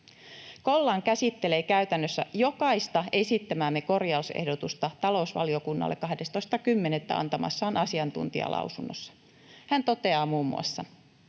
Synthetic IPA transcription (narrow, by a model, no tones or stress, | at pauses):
ko̞lːɑŋkæsit̪ːe̞leːkæyɥt̪ænːøsːæjo̞kɑist̪ɑe̞sit̪ːæmæːmːeko̞rjɑusḛhdot̪ust̪ɑt̪ɑlo̞usʋɑ̰lio̞kunːɑ̰lːekːɑhdest̪o̞ist̪ɑkymːe̞net̪ːæ̰ɑ̰nt̪ɑmɑ̰sːɑːnɑsiɑnt̪ṵnt̪iɑ̰lʔɑ̰uwsunːo̰sːɑ̥ | hænt̪o̞t̪e̞ɑːmuːmːṵɑ̰sːɑ